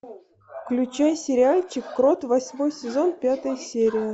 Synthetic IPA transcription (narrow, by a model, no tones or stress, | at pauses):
fklʲʉt͡ɕajsʲɪɾʲɪalʲt͡ɕɪkːɾot̪vɐsʲmo̞jsʲɪzo̞npʲat̪əjsʲeɾʲɪjə